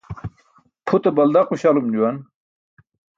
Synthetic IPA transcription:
pʰut̪ebɐld̪aquɕalumd͡ʑuwɐn

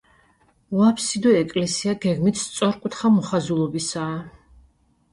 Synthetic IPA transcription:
vapʰsid̪ɔɛkʼlɛsiaɡɛɡmit̪ʰst̪sʼɔɾkʼut̪ʰχamɔχazulˠɔbisaː

